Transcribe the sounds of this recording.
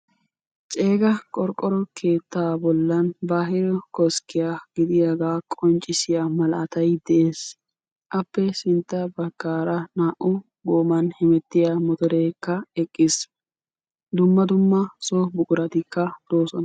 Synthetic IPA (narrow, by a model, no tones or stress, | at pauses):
t͡ʃʼe̞ːɡɐkʼɔɾkʼːɔɾɔkʰe̞ːt̪ːaːbɔlːɐnbaːɦɪɾɔkɔskɪjaːɡ̥ɪd̪ɪjaɡaːkʼɔnt͡ʃʼːɪsɪjamɐlʔɐt̪ɐjd̪ɛʔeːs | ʔɐpːɛsɪnt̪ːɐbɐkːaːɾɐnaːʔʊ | ɡoːmɐnhɪmɛt̪ːɪjaːmɔt̪ɔɾe̞ːkːɐɛkʼːɪs | d̪ʊmːɐd̪ʊmːɐsoːbʊkʼʊɾɐt̪ɪkːɐd̪̥o̞ːsɔn